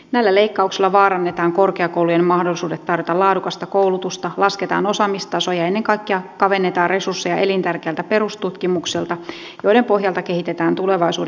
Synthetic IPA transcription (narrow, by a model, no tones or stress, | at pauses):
næilːæleikːɑukselːɑʋɑːɾɑnːet̪ɑːŋko̞rkeɑkouwlujenmɑhdolːˑisuːdet̪ːɑrjot̪ɑlɑːdukɑst̪ɑkouwlut̪ust̪ɑlɑsket̪ɑ̰ːno̞sɑmist̪ɑso̞jɑe̞nːeŋkɑikːeɑkɑʋe̞nːe̞t̪ɑːrre̞sursːejɑʔe̞lint̪ærkeːlt̪æpe̞rust̪ut̪kimuksilt̪ɑ | jojɾempo̞ɦjɑlt̪ɑke̞ɦit̪et̪æːnt̪ule̞ʋɑisṵːd